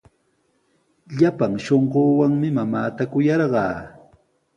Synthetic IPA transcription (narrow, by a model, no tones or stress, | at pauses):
ʎapaŋʃoɴɢoːwaŋmɪmamaːt̪akʊjɑɾɢɑː